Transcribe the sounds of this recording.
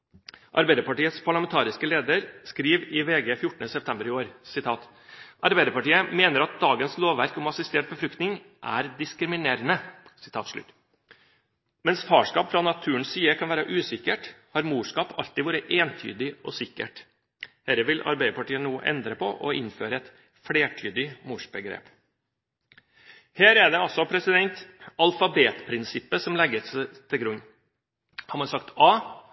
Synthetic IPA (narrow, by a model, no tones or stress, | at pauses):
ʔɑ̰ɾbæɪd̪əɾpɑʈiːət̪spʰɑɭɑmɛnt̪ʰɑːɾɪskəleːd̪əɾskɾiːʋɪʋeːɡeːfjʊʈːəɳ̩əsɛpt̪ʰɛmbəɾɪoːɾsɪt̪ʰɑːt̪ | ʔɑɾbæɪd̪əɾpɑʈiːəmeːnəɾɑt̪̚d̪ɑːɡənsloːʋæɾkɔmɑsɪst̪eːʈ̚bəfɾʉkt̪nɪŋ | ʔæ̰ɾd̪ɪskɾɪmɪneːɾənəsɪ̥t̪ʰɑːt̪ʂɭʉ̰t̪ː | mɛnsfɑːʂkɑːpfɾɑnɑt̪ʰʉːəɳssiːəkʰɑnʋæːɾəʔʉːsɪkːəʈhɑɾmuːʂkɑːpɑ̰lt̪ɪʋuːɾəʔeːnt̪ʰy̰ːd̪ɪʔɔsɪkːə̰ʈ | hɛɾəʋɪlʔɑ̰ɾbæɪd̪əpʰɑʈiːənnuːʔɛ̰nd̪ɾəpʰɔʔɔʔɪnføːɾəɛt̪ | fɽeːʈʰyːd̪ɪmuːʂbəɡɾḛːp | heːɾæɖɛɑlsɔpʰɾɛsɪd̪ɛnt̪ɑlfɑbeːt̪pʰɾɪnsɪpːəsɔmlɛɡəst̪ʰɪlɡɾʉɲː | hɑɾmɑnsɑkt̪ɑː